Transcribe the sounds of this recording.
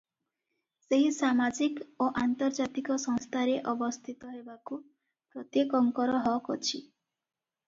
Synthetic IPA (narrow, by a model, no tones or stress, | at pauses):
seɦisamad͡ʒikoʔant̪ɔɾd͡ʒat̪ikɔsɔ̃ŋst̪ʰaɾeʔɔbɔst̪ʰit̪ɔɦebaku | pɾɔt̪jekɔŋkɔɾɔɦɔkɔt͡ʃʰi